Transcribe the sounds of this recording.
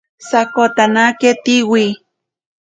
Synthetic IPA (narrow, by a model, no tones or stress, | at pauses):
sakot̪anaket̪iwi